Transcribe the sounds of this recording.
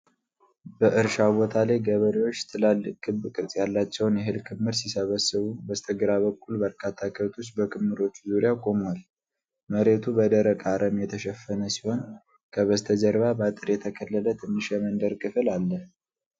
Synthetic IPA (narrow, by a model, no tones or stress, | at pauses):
bəʔɨɾʃabo̞t̪ʰalajɡəβəɾiwo̞t͡ʃːt̪ʰɨlalːɨkʼːɨbːkʼɨɾsʼjalːat͡ʃːɛwnjɛɦɨlkʰɨmːhɨɾsisəβəsːɨβubəst̪ʰəɡɨɾaβəkʼːulbəɾkʰat̪ʰːakʰət̪ʰusbəkʰɨmhɨɾo̞t͡ʃːuzuɾijakʼo̞mal | məɾe̞t̪ʰubəd̪əɾəkʼaɾʔəmjɛt̪ʰəʃɛfːənəsi̥ho̞n | kʰəβəst̪ʰəd͡ʒəɾβabat̪ʼɨɾjɛt̪ʰəkʰəlːələt̪ʰɨnːɨʃɛmənd̪əɾkʼɨfɨlalːəh